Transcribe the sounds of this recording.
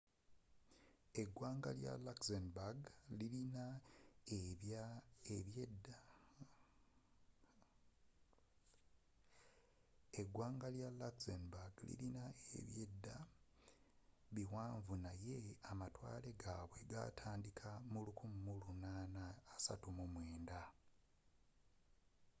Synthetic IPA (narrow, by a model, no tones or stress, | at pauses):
e̞ɡːwaːŋɡa̰lja̰laksenbaɡlilinaeβjaeβjed | e̞ɡwaːŋɡaljalaksenbaɡlḭlinaḛβjedːa | βiwaːɱvunaje̞amatwa̰ːle̞ɡaβwe̞ɡa̰tʰaːndikʰamulukʰumumulunaːnaːsa̰tumumwe̞ːnda